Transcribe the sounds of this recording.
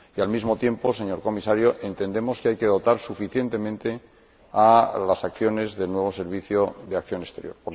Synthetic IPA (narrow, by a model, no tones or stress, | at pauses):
ialmizmo̞t̪je̞mpo̞se̞ɲo̞ɾko̞misaɾjoʔe̞nt̪e̞nd̪e̞mo̞skeajke̞ð̞o̞t̪aɾsufiθje̞nt̪e̞mẽnt̪e̞ | alasakθjo̞ne̞zðe̞lnwe̞β̞o̞se̞ɾβiθjoðeakθjo̞nest̪e̞ɾjo̞ɾp